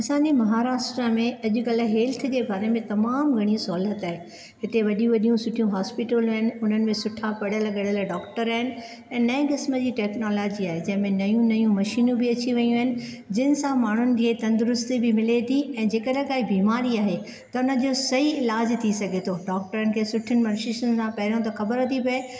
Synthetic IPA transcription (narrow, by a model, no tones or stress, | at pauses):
ɐsãːɲd͡ʑemɐɦaːɾaːsʈɾamẽɐʄʊ̆kɐlə̆ɦeːlt̪ʰd͡ʑeːbaːɾemẽt̪ɐmaːmɡʱɐɽ̃isɔːlət̪aːɦe | ɦɪt̪eʋɐɗijũʋɐɗijũsʊʈʰijũɦaːspɪʈəl̃ɦɪnɪ̆ʊn̤ənɪ̆mẽsʊʈʰapɐɽəlɐɠəɽəlɖɔːkʈəɾaːɦɪnɪ̆ | ɛ̃ːnɐĩkɪsməd͡ʑiːʈɛːknoːlaːd͡ʑiaːɦed͡ʑɐ̃ɦɪ̃mẽnɐjũnɐjũmɐʃiːnũbʱɪɐt͡ɕiʋɐjũɦɪnɪ̆ | d͡ʑɪnɪ̆sãmaːɳ̤ʊnɪ̆kʰeːt̪ɐ̃nd̪ʊɾʊst̪ibɪmɪlet̪ʰiɛ̃ːd͡ʑeːkɐɗkaːibiːmaːɾiaːɦe | t̪ɐʊnəd͡ʑoːsɐɦiɪlaːd͡ʑt̪ʰisɐɡʱet̪ʰoːɖɔːk̚ʈəɾənɪ̆kʰeːsʊʈʰənɪ̆mɐɾʃɪʃənɪ̆sãpɐɦɪɾijõt̪̬ɐxɐbəɾɦot̪ʰipɐe